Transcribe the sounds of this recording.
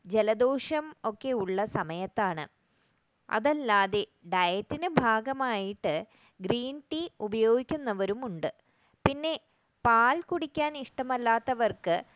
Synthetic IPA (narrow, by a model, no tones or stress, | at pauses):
d͡ʑe̞lɐd̪o̞ːʂɐmo̞kːe̞uɭːɐsɐmɐjɐt̪ːaːɳɨ | ɐ̰ðɐlːaːðeɖɐjɐtːinɨbʱaːɡɐmaːjiʈːɨ | ɡriːnʈiubɐjo̞ːɡikʲːunːɐʋɐɾumuɳɖɨ | pinːe̞ | paːlkuɽikʲːaːniʂʈɐmɐlːaːt̪ːɐʋɐrkɨ